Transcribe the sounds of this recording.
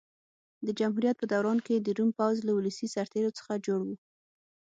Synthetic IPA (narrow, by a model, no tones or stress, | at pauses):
d̪əd͡ʒamɦuɾjat̪̚pəd̪awɾɑnked̪əɾumpawzlawuləsisaɾt̪eɾot͡sə̥xad͡ʒoɽwu